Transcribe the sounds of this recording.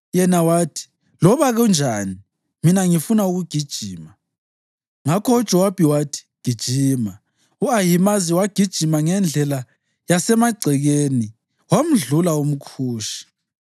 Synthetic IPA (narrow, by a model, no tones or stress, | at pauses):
jɛnawaːtʰi̥ | lɔβaɣɔnd͡ʒʱaːni | minaŋifunauɣuɡ̥ʱid̥ʒ̥ʱiːma | ŋakʰɔɔ̥ʒ̥ʼʱɔwab̥ʱiwatʰi̥ɡ̥ʱid̥ʒ̥ʱiːma | uajimaziwaɡ̥ʱid̥ʒ̥ʱimaŋɛnd͡ɮʱɛla | jasɛmaɡ͡ǀʱɛɣeni | wam̩ɮulaum̩kʰuːʃi̥